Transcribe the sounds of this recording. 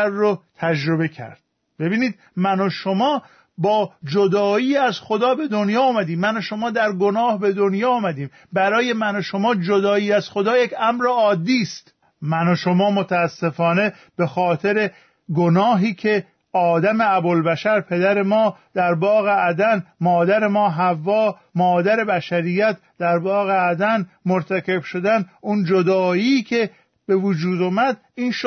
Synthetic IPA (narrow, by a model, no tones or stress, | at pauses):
ɾːot̪ʰæd͡ʒɾo̞be̞cʰæ̰ɾd̪̥̚ | be̞biːniːd̪̚ | mænoʃomɒː | bɒːd͡ʒod̪ɒːiːæzxod̪ɒːbe̞d̪o̞njɒːmæd̪iːmmænoʃo̞mɒːd̪æɾɡo̞nɒːhbe̞d̪o̞njɒːmæd̪iːm | bæɾɒːje̞mænoʃo̞mɒːd͡ʒod̪ɒːiːæz̥xo̞d̪ɒːjecʰæmɾeɒːd̪ːiːst̪ | mænoʃomɒːmot̪ʰæːsːe̞fɒːne̞ | b̥e̞xɒːt̪ʰe̞ɾe̞ | ɡonɒːɦiːkʰe̞ | ɒːd̪æme̞æbolbæʃæɾpʰe̞d̪æɾe̞mɒːd̪̥æɾbɒːɣeʔæd̪ænmɒːd̪æɾemɒːɦævːɒː | mɒːd̪æɾe̞bæʃæɾijːæt̪ʰ | d̪æɾbɒːɣeæd̪æn | moɾt̪ʰækʰe̞b̥ʃo̞d̪ænund͡ʒod̪ɒːiːcʰe̞ | b̥e̞vud͡ʒuːd̪oːmæd̪ | iːnʃ